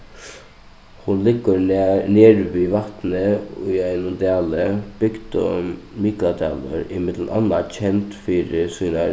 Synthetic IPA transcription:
hʊnlɪɡəɾneːɾʋiːʋɑt̪nəʊ̰ːæɪnʊnd̪æːləb̥ʏɡd̪ə̰miklad̪ɛ̰ːlə̰ɾɪmɪd̪l̩ʔɑnːat͡ɕʰɛnt̪fiːɾɪsiːna

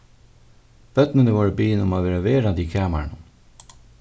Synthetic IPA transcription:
b̥œt̪nənəʋoːɹəbiːnʊmaːʋeːɾaʋeːɾand̪iːkʰæːma̰ɳə

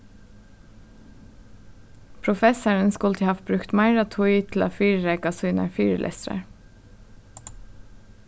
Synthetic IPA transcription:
pʰɹʊfɛsəɹənskʉlt̪ʰiːhɑːʋbɾʉkt̪mæɪɹɑt̪ʰʊʏt̪ʰl̩o̰ːfyːɹɾeːɡɑsʉːnə̰fyːɾəlʔɛ̰st̪ɾə̰ɹ

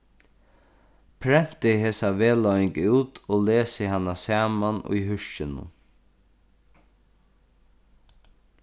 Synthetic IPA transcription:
pʰɾɛn̥t̪ɪɦeːsaʋeːlɔjŋkʉːt̪oːleːsɪhanːasaːmanṵjɦʉʃt͡ʃɪnʊ̰

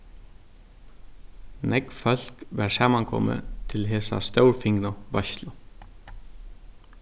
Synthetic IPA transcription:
nɛkfœl̥kʋɛɹsaːmankʰɔ̰mə̰t̪ʰɪlɦeːsa̰st̪œwɹfɪŋnʊʋœçt̪lə

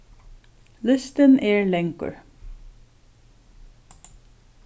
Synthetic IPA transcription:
lʏst̪ənʔeːɹlɛŋkə̰ɹ

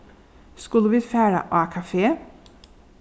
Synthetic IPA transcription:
skʉləʋiːfæːɹə̰ʔɑːkʰɑfeː

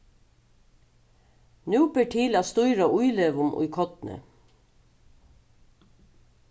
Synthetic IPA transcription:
nʉːpəʈʰiːlɑːst̪uʏɾɑʔʊʏleːʋʊmʔʊ̰ʏkʰɔt̪nə̰

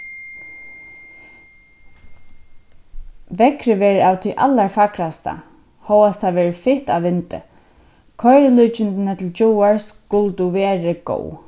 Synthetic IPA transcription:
ʋɛkɾɪʋɛːɾawt̪ʰijʔa̰lːaɹfakɾast̪a̰ | hɔwast̪ʰaʋɛːɹɪfɪht̪aʋɪnt̪ɪ̰ | kʰɔjɾɪlujt͡ʃɪnt̪ɪnət̪ʰɪlt͡ʃɔwaɹskʊlt̪uʋɛːɾɪɡo̰w

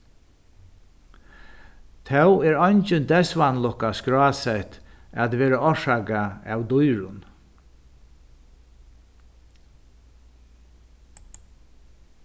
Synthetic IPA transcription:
t̪ʰɛwɛːɹɔjɲt͡ʃɪnd̪ɛsʋanlɔhkaskɾɹaːsɛht̪at̪ʋeːɾaɔʂakaa̰wd̪ʊjɹʊn

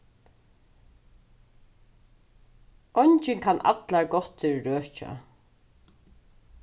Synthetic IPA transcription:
ɔjɲt͡ʃɪnkʰanʔa̰t̪laɹɡɔt̪ʰɪɹɹœːt͡ʃa̰

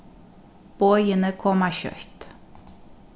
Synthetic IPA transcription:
b̥ɔʏənəkʰɔmæːçœ̰kt̪

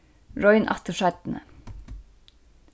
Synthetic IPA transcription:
ɹɔʏnʔɑ̰t̪ʰoʃæt̪n̩ə̰

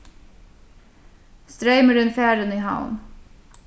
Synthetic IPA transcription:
st̪ɾeɪməɾʉnt̪fæːɾəniːha̰ʊn

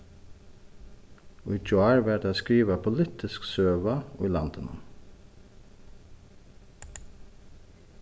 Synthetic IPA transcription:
ʊd͡ʒʊɑɹʋæːɖeːskɾiːʋəpʰʊlɪt̪ʰɪsksøːʋɑʊ̰lɑ̰nt̪ʰənʔʊ̰m

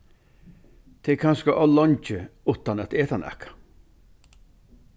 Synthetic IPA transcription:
t̪ʰeːkʰanskəʔɔlɔnt͡ʃəut̪anat̪eːt̪anɛ̰kʰḁ

